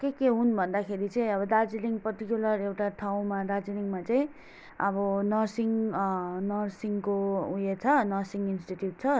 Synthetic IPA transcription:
kekeɦunbʱʌnd̪akʰeɾit͡sʌj̃ʌβʌd̪ad͡ziliŋɡpʌrt̪ikjulʌrewʈaʈʰaw̃mad̪ad͡ziliŋmat͡saj̃ | ʌbʌnʌrsiŋ | nʌrsiŋkoũjet͡sʰʌnʌrsiŋɡinsʈiʈjuʈ̚t͡sʰʌ

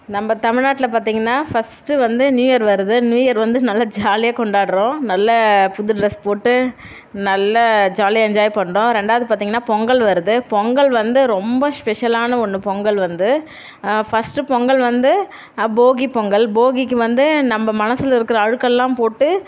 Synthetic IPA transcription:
nɐmːɐt̪ɐmɪɻnaːʈːɪlɐpaːɾt̪̬iːŋɡɐnːaːfɐsʈɯʋɐnd̪ɯnjuːjɐɾʋɐɾɯðɯnjuːjɐɾʋɐnd̪ɯnɐlːɐd͡ʒaːlɪjaːkɔɳɖaːɽɯɾõːnɐlːɐpʊðɪʈɾɐspoːʈːɯ | nɐlːɐd͡ʒaːliɛɲd͡ʒaːjipɐɳːɾõːɾɛɳɖaːʋɐðɯpaːɾt̪iːŋɡɐnːaːpɔŋɡɐɭʋɐɾɯðɯpɔŋɡɐɭʋɐnd̪ɯɾɔmbɐspɛʂɐlaːnɐɔnːɯpɔŋɡɐɭʋɐnd̪ɯ | fɐsʈɯpɔŋɡɐɭʋɐnd̪ɯ | boːɡipɔŋɡɐɭboːɡikːɯʋɐnd̪ɯnɐmbɐmɐnɐsɪlɪɾɯkːɯɾɐːɻɯkːɐlːãːmpoːʈːɯ

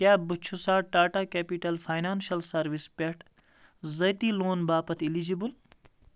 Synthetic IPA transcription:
kjaːbut͡ʃʰusaːʈaːʈaːkeːpiʈɐlfʰaːjnaːnʃɐlsɐɾʋispeʈʰ | zɐt̪iːloːnbaːpɐt̪ʰilid͡ʒibul

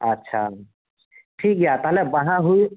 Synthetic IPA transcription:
ətːʃʰa | ʈʰik̚ɦjat̪ɔɦlɛbəɦãɦuj

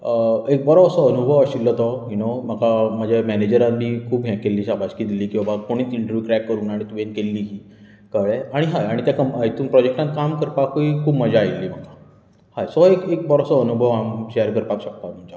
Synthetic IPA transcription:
əek̚bəɾɔʋsɔənubʱəʋəɕilːət̪ɔinoməkaməd͡ʑʱamɛned͡ʑəɾãnd̪ikʰuːbɦjãkelːiːɕabaɕkiːd̪iliːkĩʋa̤akoɽ̃iːt͡siɳʈəɾʋjukɾɛkːəɾuːnaɽ̃it̪ʋenkelːiːɦiː | kaʋɭeaɽ̃iɦajaɽ̃it̪jakəməjt̪uːnpɾɔd͡ʑek̚ʈãnt̪̚kamkəɾpakuikʰuːbməd͡ʑʱaːilːiːm̤əka | hajsɔekek̚bəɾɔsɔənubʱəʋamɕejəɾkəɾpakɕək̚t̪am̤əd͡ʑa

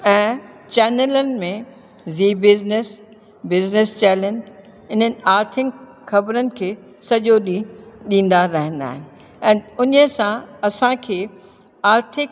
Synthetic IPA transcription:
ɛ̃ːt͡ɕɛːnelənɪ̆mẽ | ziːbɪznɪs | bɪznɪst͡ɕɛːlə̃nd͡ʑ | ɪn̤ənɪ̆aːɾt̪ʰɪŋk | xɐbɾənɪ̆kʰeː | sɐʄoɗĩɗĩːn̆d̪aɾɐɦə̃n̆d̪a̰ːɦɪnɪ̆ | ɛ̃ːʊnəsãɐsãkʰeː | aːɾt̪ʰɪk̚

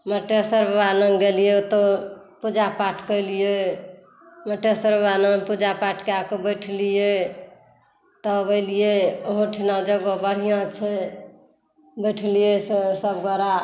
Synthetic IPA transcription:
məʈesəɾbanənɡelijet̪ɔpud͡ʒapaʈʰkəjlije | məʈesəɾbanənpud͡ʒapaʈʰkeakobəjʈʰlije | t̪ɔbəɪlijeoɦõʈʰinad͡ʒəɡobəɽ̤ijãt͡ʃʰɛ | bəjʈʰlijessəbɡɔɾa

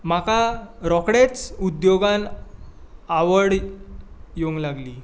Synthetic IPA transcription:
makaɾɔkɽet͡sud̪joɡan | aʋəɽ | joŋɡlaɡli

